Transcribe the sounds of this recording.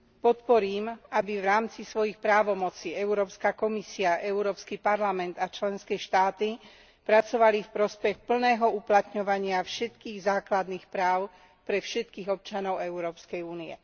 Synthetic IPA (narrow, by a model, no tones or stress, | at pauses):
pɔt̪pɔɾiːmabiʋɾaːmt͡sisʋɔjixpɾaːʋɔmɔt͡siːɛuɾɔːpskakɔmisiaʔɛuɾɔːpskipaɾlamɛnd̪at͡ʃlɛnskɛʃt̪aːt̪i | pɾat͡sɔʋalifpɾɔspɛxpl̩nɛːɦɔuplat̪ɲɔʋaɲɪafʃɛt̪kiːɣzaːklad̪niːxpɾaːʊ | pɾɛfʃɛt̪̚kiːɣɔp̚t͡ʃanɔʊɛʊɾɔːpskɛjuːniɛ̰